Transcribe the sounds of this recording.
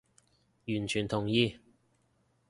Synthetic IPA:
jyː˨˩nt͡ʃʰyː˨˩nt̪ʰʊ˨˩ŋjiː˧

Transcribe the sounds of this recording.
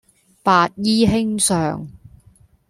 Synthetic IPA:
paː˧t̚jiː˥ɦɪ˥ŋsœː˨ŋ

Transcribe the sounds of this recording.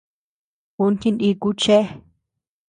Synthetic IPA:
ku˧nt̪ĩ˧ndi˧ku˦t͡ʃe˦

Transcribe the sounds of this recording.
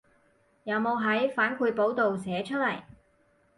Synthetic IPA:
jɐ˨˧wmo˨˧wɦɐ˨˥jfaː˨˥nkʰuː˧jpo˨˥wt̪o˨wsɛː˨˥t͡ʃʰɵ˥t̚lɐ˨˩j

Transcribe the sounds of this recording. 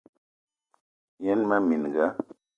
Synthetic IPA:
jɛ˦nma˦mi˨n˨ɡa˦

